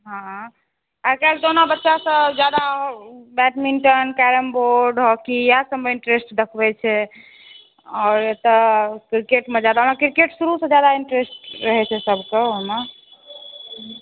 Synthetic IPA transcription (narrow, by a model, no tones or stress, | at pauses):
ɦã | akald̪onobətːʃasə̃d͡ʒjad̪abɛʈmiɳʈənkɛɾəmboɾɖɦɔkijasəmbəiɳʈɾesʈd̪əkʰbɛt͡ʃʰɛ | ɔːɾjet̪əkɾikeʈmẽd͡ʒad̪aɦomekɾikeʈsuɾusə̃d͡ʒjad̪aiɳʈɾesʈɾəɦɛt͡ʃʰɛsəbʱkeɦoma